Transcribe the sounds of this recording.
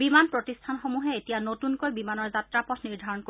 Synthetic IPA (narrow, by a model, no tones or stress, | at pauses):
bimanpɹotistʰanxomuɦɛetijanotunkojbimanɔɹzatɹapɔtʰniɹdʱaɹɔnko